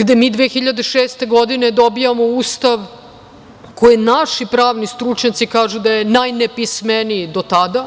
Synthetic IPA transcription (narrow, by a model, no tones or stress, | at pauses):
ɡd̪emiːd̪ʋeːxiʎad̪eʃeːst̪e̞ɡo̞d̪ined̪o̞bijamo̞uːst̪aʋ | kojinaʃipɾaːʋnist̪ɾut͡ʃɲat̪sikaːʒud̪ajenajnepismenijd̪ot̪ad̪a